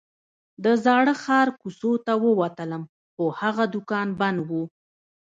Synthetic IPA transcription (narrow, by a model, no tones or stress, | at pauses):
d̪əzɑɽəxɑɾkusot̪awəwat̪ələm | xohaɣad̪ʊkɑnband̪wu